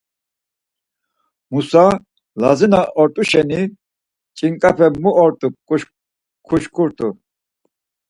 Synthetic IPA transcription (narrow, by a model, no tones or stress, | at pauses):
musa | la̰zinaʔɔɾt̪ʼuʃɛni | t͡ʃʼiŋkʼapʰɛmuɔɾt̪ʼu | kʰuʃkʰuɾt̪ʼu